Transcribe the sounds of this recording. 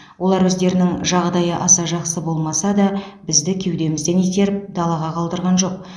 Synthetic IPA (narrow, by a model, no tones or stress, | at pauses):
wo̞lˠɑɾwɵzd̪e̞ɾɪnɪŋʒɑʁd̪ɑjəʔɑsɑʒɑqsəbo̞lˠmɑsɑd̪ɑbɪzd̪ɪkʲʰe̞wd̪e̞mɪzd̪e̞net̪e̞ɾɪp̚d̪ɑlˠɑʁɑqʰɑlˠd̪əɾʁɑnʒo̞q̚